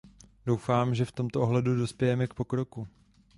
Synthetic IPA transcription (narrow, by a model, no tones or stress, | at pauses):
do̞wfaːmʒɛft̪o̞mt̪oʔoɦlɛdudo̞spjɛjɛmɛk̚po̞kɾo̞ku